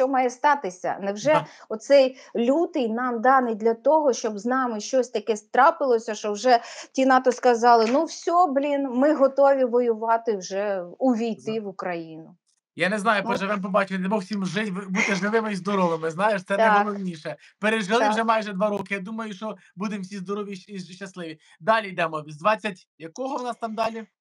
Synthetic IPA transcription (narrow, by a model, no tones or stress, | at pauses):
ʃt͡ʃɔmɑjɛst̪ɑt̪ɪsʲɐ̰nɛwʒɛɔt̪sɛjlʲut̪ɪjnɑmd̪ɑnɪjd̪ʲlʲɐt̪ɔɦɔʃt͡ʃɔbznɑmɪʃt͡ʃɔsʲt̪ɐkɛst̪ɾɑpɪlˠɔsʲɐʃɔwʒɛtʲinɑt̪ɔskɐzɑlˠɪnuwsʲɔblʲinmɪɦɔt̪ɔʋʲiʋɔjʊʋɑt̪ɪwʒɛuʋʲijt̪ɪʋʊkɾɐjinʊ | janeznɑjʊpɔʒɛʋɪmp̬ɔbɑt͡ʃʊt̪d̪ɛbɔwsʲimʒɪʋbut̪ɪʒlˠɪʋɪmɪizd̪ɔɾɔʋˠɪmɪznɑjeʃt̪sɛnɐjʋɪlˠɔnʲiʃɛ | peɾeʒɪlɪwʒɛmɑjʒɛd̪ʋɑɾɔkɪjad̪umɐjʊʃɔ | bud̪emwsʲizd̪ɔɾɔʋʲiiʃt͡ʃːɐslˠɪʋʲi | d̪ɑlʲijd̪ɛmɔʋʲizd̪ʋɑt͡sʲːɐtʲ | jɐkɔɦɔwnɑst̪ɑmd̪ɑlʲi